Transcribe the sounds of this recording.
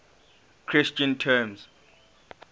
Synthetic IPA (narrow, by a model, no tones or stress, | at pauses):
kʰɹist͡ʃʰʼantʰɛms